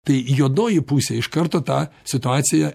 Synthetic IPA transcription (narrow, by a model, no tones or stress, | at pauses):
t̪ɐɪjuɔd̪noːjɪpusʲɛɪʃkɐɾt̪oːt̪ɑːsʲɪt̪ʊɑːt̪sʲɪjɛ